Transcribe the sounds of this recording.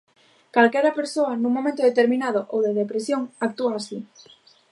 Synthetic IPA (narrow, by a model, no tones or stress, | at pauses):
kalkɛɾɐpeɾsoɐnuŋmõmẽnt̪oðet̪eɾmĩnað̞oʔowðeðepɾesjoŋak̚t̪uaːsi